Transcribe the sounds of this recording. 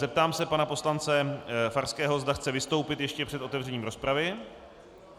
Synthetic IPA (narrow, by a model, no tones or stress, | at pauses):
zɛp̚t̪aːmsɛpanapo̞slant͡sɛfaɾskɛːɦo̞zd̪axt͡sɛvɪst̪o̞wpɪt̪jɛʃcɛpr̥ɛt̪o̞t̪ɛvr̝ɛɲiːmɾo̞spɾavɪ